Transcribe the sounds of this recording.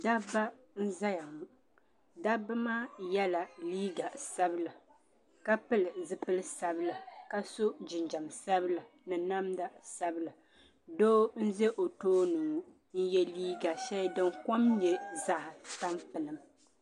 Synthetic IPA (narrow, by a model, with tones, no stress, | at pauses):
da˦ba˦ | n̩˦za˦ja˨mu˨ | da˦ba˦maː˦jɛ˦la˨liː˦ɡa˨sa˦bɨ˦la˨ | ka˦pɨ˦lɨ˨zɨ˦pɨ˦lɨ˦sa˦bɨ˦lɨ˨ka˦so˦d͡ʒɪ˨nd͡ʒa˨msa˦bɨ˦la˨ | nɨ˨na˦mda˨sa˦bɨ˦lɨ˨ | doː˦n̩˦ze˦ʔo˨toː˦nɨ˨ŋ˦ | n̩˦jɛ˦liː˦ɡa˨ʃɛ˦dɨ˦ŋ˦ko˦mɲɛ˦za˦ʔɪ˨ta˦mpɨ˨nɨ˨m